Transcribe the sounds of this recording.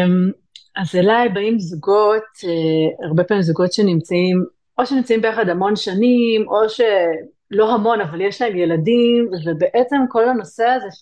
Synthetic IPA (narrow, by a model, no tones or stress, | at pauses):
m | azelajbaimzuɡoteaʁbe̞pamimzuɡo̞tʃenimt͡saim | ʔoʃenimt͡saimbeaχad̪hamo̞nʃanimʔo̞ʃe̞ | lo̞ɦamo̞navaljeʃlaemjeladimvebeʔet͡se̞mko̞lano̞se̞aze